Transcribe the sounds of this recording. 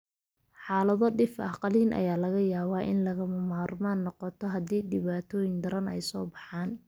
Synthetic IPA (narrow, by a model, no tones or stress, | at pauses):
ħaːlɐðɔɖɪfʔɑqɑliːnʔɐ̰jaːlɐɣɐjaːβaːʔɪ̰nlɐɣɐmɐmaːrmaːnːɔqɔt̪ʰɔɦɐðiːɖɪβaːt̪ʰɔːjɪŋd̪ɐɾɐnɛ̰jsɔːbɑħaːn